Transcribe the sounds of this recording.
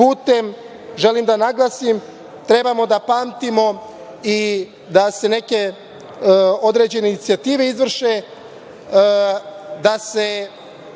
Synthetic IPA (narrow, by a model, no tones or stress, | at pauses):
puːt̪e̞m | ʒe̞limd̪anaɡlˠasim | t̪ɾe̞bamo̞d̪apaːmt̪imo̞ | i | d̪ase̞ne̞ke̞ | o̞d̪ɾe̞d͡ʑe̞neinit̪siat̪iːʋe̞izʋr̩ʃe | d̪ase̞